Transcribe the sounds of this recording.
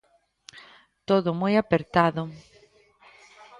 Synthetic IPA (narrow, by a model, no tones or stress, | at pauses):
t̪oðʊmojapeɾt̪aðʊ